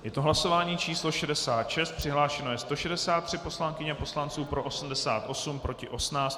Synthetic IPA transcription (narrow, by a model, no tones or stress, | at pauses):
jɛt̪o̞ɦlaso̞vaːɲiːt͡ʃiːslo̞ʃɛdɛsaːt̪ʃɛst̪̚pr̥ɪɦlaːʃɛno̞jɛst̪o̞ʃɛdɛsaːt̪ːr̝̥ɪpo̞slaŋkɪɲɛpo̞slant͡suːpɾo̞ʔosm̩dɛsa̰ːt̪ʔo̞sumpɾo̞cɪʔo̞snaːt͡st̪